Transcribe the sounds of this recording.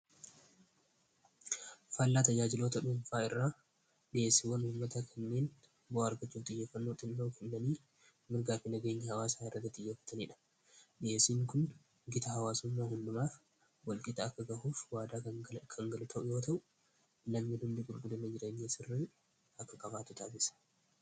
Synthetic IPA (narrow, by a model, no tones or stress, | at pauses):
fɐlːaːt̪ɐjaːd͡ʒɪlo̞ːt̪ɐᶑʊɱfaːɪrːaː | ᶑɪeːsːɪwɐnhʊːmːɐt̪akʰɐnːe̞ːn | bɔɐɾɡɐt͡ʃːuːnt̪ʼɪjːeːfːɐnːoːt̪ʼɪnːoːkʰɛnːɐniː | mɪɾɡaːfinɐɡe̞ːɲːɐhɐwaːsaːɪrːɐt̪ːɐt̪ːʼɪjːeːfɐ̥t̪ɐniːᶑɐ̥ | ᶑɪeːsiːŋkʊn | ɡɪt̪ɐɦɐwaːsʊmːaːhʊndʊmaː | wɐlkʼɪt̪ɐːkːɐɡɐhuːfwaːd̪aːkʰɐŋɡɐlʊt̪ʰɐʔʊjo̞ːt̪ɐʔʊ | lɐmːɪnhʊnd̪iɡʊɾɡʊd̪ɐnːɐd͡ʒɪɾeːɲːeːsɪrːi | ɐkːɐkʼɐbaːt̪ʊt̪aːsɪsɐ̥